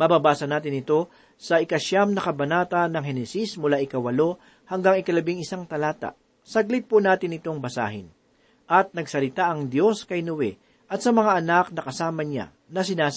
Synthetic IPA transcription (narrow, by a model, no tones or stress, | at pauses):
mɐbabaːsɐnaːt̪̬ɪnɪt̪o̞ | sɐʔɪkɐʃamnɐkɐbɐnaːt̪ɐnɐŋɦɛnɛsismʊlaʔɪkɐwɐlo̞ | hɐŋɡaŋɪkɐlɐbɪŋɪsaŋt̪ɐlaːt̪a̰ʔ | sɐɡ̚lɪt̪̚pʊnaːt̪ɪnɪt̪o̞ŋbɐsa̰ːɦɪ̰n | ʔɐt̪̚nɐɡsɐlɪt̪aʔɐŋd̪jo̞skɐjnʊwɛ | ʔɐt̪̚sɐmɐŋaʔɐnak̚nɐkɐsaːmɐɲa̰ | nɐsɪnaːs